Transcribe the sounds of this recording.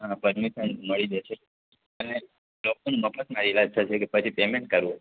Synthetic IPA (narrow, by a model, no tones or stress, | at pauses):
ɦãpəɾmiʃənməɭid͡ʒ̪et͡ʃʰe | əne | lok̚onũməbfət̪maɾilad͡ʒt̪ʰat͡ʃʰekepət͡ʃʰipemeɳʈ̚kəɾũ